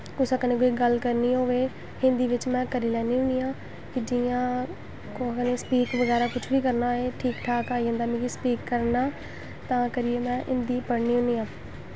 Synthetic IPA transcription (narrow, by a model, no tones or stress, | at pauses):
kʊsaːkəneːk̬oːiːɡəlkəɾniːɦoːʋeː | hɪ̃nd̪iːʋɪt͡ʃmɛ̃ːkəɾiːlɛːniːɦʊniːãː | kɪd͡ʒiːãː | kokəneːspiːkʋəɡɛːɾaːkʊt͡ʃʰʋiːk̬əɾnaːeːʈʰiːkʈʰaːkaːid͡ʒãnd̪aːmĩːɡiːspiːkːəɾnaː | t̪ãːkəɾɪjeːmɛ̃ːɦɪnd̪iːpəɽniːɦʊniːãː